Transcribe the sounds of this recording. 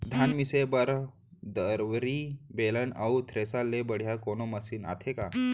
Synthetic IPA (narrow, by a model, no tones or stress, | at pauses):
d̪ʱanmisebəɾ | d̪əɾʋɾibeləna̰wut̪ʰɾesalːebəɽ̤jakonoməsiːna̰t̪ʰeka